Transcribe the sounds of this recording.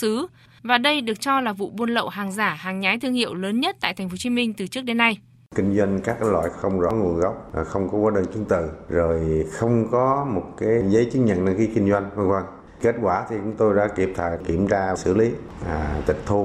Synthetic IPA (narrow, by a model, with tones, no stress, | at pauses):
sɨ˨˦ | vaː˨˩ɗə˧jɗɨ˨˩ək̚t͡ɕɔ˧laː˨˩vṵ˧˨ɓo˧nlə̰˧˨wɦaː˨˩ŋzaː˧˩haː˨˩ŋɲaː˨˦jt̪ʰɨ˧əŋhḭ˧˨əwləː˨˦nɲə˦˥t̚t̪a̰ː˧˨jt̪ʰŋ̟fo˨˦˥t͡ɕi˨˧˦mï˧ŋ̟t̪ɨ˨˩t͡ɕɨ˦˥ək̚ɗe˨˦nːa˧j | kï˧ŋ̟zwa˧jŋkaː˦˥k̚a˨˦jlwa̰ː˧˨jxə˧wŋ͡mzɔ̰˨˦ŋu˨˩ənɣa˦˥wk͡p̚xə˧wŋ͡mkɔ˨˦kwaː˨˦ɗəː˧nt͡ɕi˨˦ənt̪ɨ˨˩˨zo˨˩jxə˧wŋ͡mkɔ˨˦mo˨˩t̚kaː˨˦jzə˨˦jt͡ɕɨ˦ŋ̚ɲə̰˧˨nna˧xi˨˦kï˧ŋ̟zwa˧jŋ̟və˧ŋkwa˧n | ke˦˥t̚kwaː˧˩t̪ʰi˨˩t͡ɕʊ̰˨˦ŋ͡mt̪o˧jɗa̰ː˧˥ki˨˩əp̚t̪ʰaː˨˩jki˧˩əmzaː˧˨sɨ̰˧˩li˨˦˨ | t̪ï˨˩k̟̚t̪ʰu˧